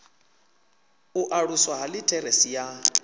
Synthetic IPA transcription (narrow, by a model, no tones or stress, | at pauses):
uʔaɺuswaɦalɪtʰɛɾesija